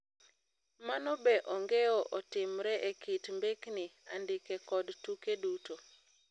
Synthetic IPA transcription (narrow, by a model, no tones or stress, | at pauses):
manɔbɛʔɔŋɡeɔʔɔtɪmɾɛʔekitmbeknɪandɪkɛkɔdtukeduto